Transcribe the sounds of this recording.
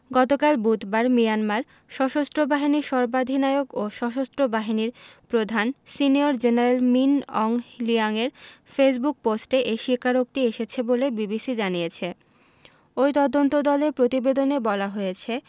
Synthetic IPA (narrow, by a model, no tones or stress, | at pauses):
ɡɔt̪okalbut̪baɾmijanmaɾ | ʃɔʃost̪ɾobaɦiniʃɔɾbad̪ʱinaeoɡoʃɔʃost̪ɾobaɦiniɾpɾod̪ʱansinioɾd͡ʑeneɾelminɔŋliaŋeɾfes̬buk̚posʈeʔeʃikʰːaɾok̚t̪ieʃet͡ɕʰebolebibisid͡ʑanijet͡ɕʰe | ojt̪ɔd̪ont̪od̪ɔleɾpɾot̪ibed̪onebɔlaɦojet͡ɕʰe